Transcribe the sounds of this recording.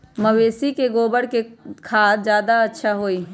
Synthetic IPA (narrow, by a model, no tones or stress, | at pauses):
məweːsikeɡoːbəɽkekʰaːt̪̚d͡ʒjaːd̪aɐtːʃʰaɦoːi